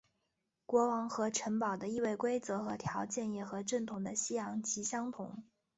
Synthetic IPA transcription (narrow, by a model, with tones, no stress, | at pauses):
kwɔ˧˥wɑ˧˥ŋxɤ˧˥ʈ͡ʂʰə˧˥npɑ˨˩ʊd̪ə˦i˥˧we˥˩ɪkwe˥ɪt͡sɤ˧˥xɤ˧˥t̪ʰjɑ˧˥ʊt͡ɕjɛ˥˩njɛ˥˩xɤ˧˥ʈ͡ʂə˥˩nt̪ʰʊ˧˥ŋd̪ə˧ɕi˥jɑ˧˥ŋt͡ɕʰi˧˥ɕjɑ˥ŋt̪ʰʊ̰˧˥ŋ